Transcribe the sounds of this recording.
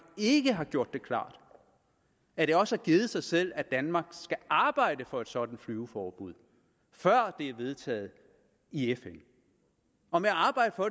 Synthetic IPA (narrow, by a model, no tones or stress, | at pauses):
e̝ɡ̥əɦɑ̈ɡ̥jo̝ɐ̰d̥ːe̝kʰlɑ̰̈ːd̥ | æɐɾ̥e̝ɒ̽səæɡ̥iːð̞̩ˠsɑ̈ɪsel̰æd̥ænmɑ̈ːɡ̥sɡ̥æʔɑ̈ːb̥ɑ̈ɪ̰d̥əfɒ̽e̝d̥sɒ̽d̥n̩flyʊfɒːb̥uð̰ˠ | fɶɐ̰d̥e̝æɐʋe̝ð̞ˠt͡sʰɛ̰ːð̩ˠ | iefen | ɒ̽meæɑ̈ːb̥ɑ̈ɪ̰d̥əfɒ̽